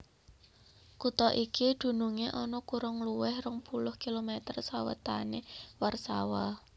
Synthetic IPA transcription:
kut̪ɔʔikid̪̥ṳnuŋeʔɔnɔkuɾʊŋluwɪhrəŋpulʊhkilomet̪ərsawə̰t̪a̰newarsa̰wa

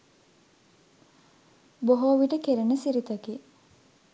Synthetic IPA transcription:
boɦoʋiʈəkeɾenəsiɾit̪əki

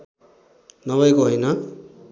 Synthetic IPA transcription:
nʌβʌjkoɦojnʌ

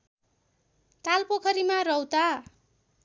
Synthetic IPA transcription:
t̪alpokʰʌɾimarʌwt̪a

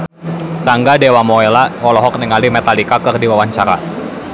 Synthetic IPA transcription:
taŋɡadewamɔelaɔlɔɦɔk̚niŋalimɛt̪alikakərdiwawaɲt͡ʃaɾa̰

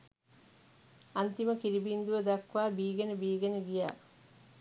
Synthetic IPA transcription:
ant̪iməkiɾibind̪uʋəd̪akʋaːbiːɡenəbiːɡenəɡija̰ː

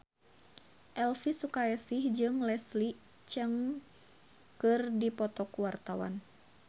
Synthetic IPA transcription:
ʔɛlfisukaɛsihd͡ʒɨŋlɛsli | t͡ʃəŋ | kɨrdipɔt̪ɔkuwart̪awa̰n

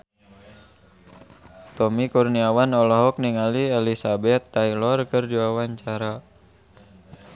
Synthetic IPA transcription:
t̪ɔmikurniawanɔlɔɦɔk̚niŋaliɛlisabɛt̪ːailɔrkɨrdiwawaɲt͡ʃaɾa

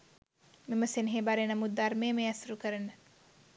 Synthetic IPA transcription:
miməsenɦeːbaɾenɐmut̪̚d̪armeːmeasɾukəɾənə

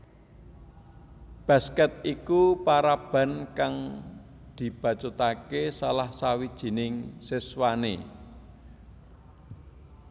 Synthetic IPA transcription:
b̥a̤skɛt̪̚ikupaɾab̥a̤nkaŋ | d̪̥i̤b̥a̤t͡ʃot̪akesalahsawid̥ʒ̥i̤nɪŋsɪswanḛ

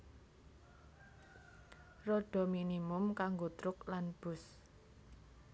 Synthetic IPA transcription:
roɖ̥ɔ̤minimʊmkaŋɡot̪ɾʊklanb̥ʊ̤s

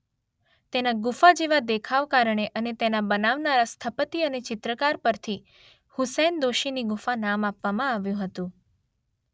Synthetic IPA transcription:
t̪enaɡufad͡ʒeʋad̪ekʰaʋkaɾəɳ̃eʔənet̪enabənaʋnaɾast̪ʰəpət̪iənet͡ʃɪt̪ɾəkaɾpəɾt̪ʰi | hʊsɛnd̪oʃiniɡufanamapʋamãaʋjũɦət̪ũ

